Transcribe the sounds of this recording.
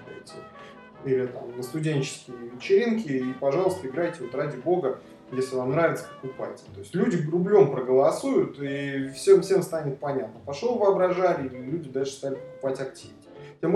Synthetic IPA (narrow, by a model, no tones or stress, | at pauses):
tʲɪ | ilʲɪt̪a̰mnəst̪ʊdʲenʲt͡ɕɪ̥skʲɪjəvʲɪt͡ɕɪɾʲinkʲɪipɐʐɑlˠəst̪əɪɡɾajtʲɪvo̞t̪radʲɪbo̞ɡə | jesʲlʲɪvamnɾavʲɪt̪sə̥pə̥kʊpa̰tʲt̪o̞ɪsʲtʲlʲudʲɪrʊblʲompɾəɡəlˠɐsujʊt̪ifsʲemfsʲemst̪anʲɪt̪̚pɐnʲat̪̚nəpɐʂlˠovəɐbɾɐʐaɾʲɪilʲɪlʲudʲɪd̪alʲʂɨ̥st̪alʲɪpə̥kʊ̥patʲɐk̚tʲivʲ | tʲem